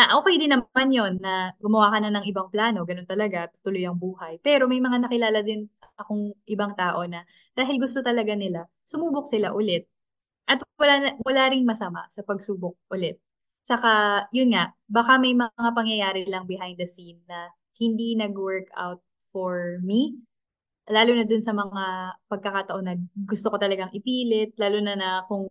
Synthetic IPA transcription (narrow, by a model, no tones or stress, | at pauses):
ɐʔoːkɛjd̪ɪnɐanjo̞nːɐɡʊmɐwaːkɐnɐnɐŋɪbaŋplaːno̞ɡɐno̞nt̪ɐlɐɡat̪ʊ̥t̪ʊlʊjɐŋbuːhɐjpɛːɾo̞mɐjmɐŋanɐkɪlaːlɐd̪ɪnʔɐkoŋʔɪbaŋt̪aːʔo̞nɐ | d̪̥aːɦɪlɡʊst̪o̞t̪ɐlɐɡanɪla | sʊmuːbok̚sɪlaʔʊlɛt̪̚ | ʔɐt̪̚wɐlamʊlaːɾɪŋmɐsɐma̰sɐpɐɡsuːbok̚ʔʊlɛt̪̚ | sɐkajʊnŋaʔ | bakamɐjmɐŋapɐŋjɐjaːɾɪlɐŋbɪɦajnd̪ɐsimnɐ | hɪnd̪inɐɡwɛɹka̰wt̪̚ | fɔɹmi | laːlonɐd̪ʊnsɐmɐŋapɐɡ̚kɐkat̪ɐʔo̞nɐɡʊst̪oko̞t̪ɐlɐɡaŋʔɪpiːlɪt̪̚laːlonɐnɐkʊŋ